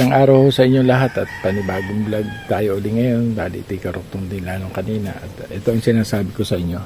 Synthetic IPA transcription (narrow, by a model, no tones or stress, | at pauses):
ɐŋʔaːɾɐwhosɐʔɪɲːolɐɦat̪ɐt̪̚pɐnɪbaːɡɪŋblɐɡ̚t̪aːjoʔʊlɪŋɐjo̞nbaːlɪ̰ʔt̪ikɐɾok̚t̪ʊŋd̪ɪnlaːnoŋkɐniːnɐ̰ʔɐ̰t̪ʔɛt̪o̞ʔɐŋsɪnaːsaːbɪkosɐʔɪɲːo̞